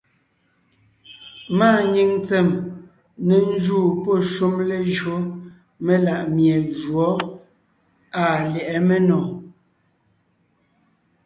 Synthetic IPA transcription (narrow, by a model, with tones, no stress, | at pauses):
maː˦˨ɲi˦ŋt͡sɛ˨m | ne˨n̩˦d͡ʒuː˦˨pɔ˦ʃu˦mle˦ʒo˦ | me˦la˨ʔmje˨ʒwɔ˨˦ | aː˦˨lɛ˨ʔɛ˦me˦nɔ˨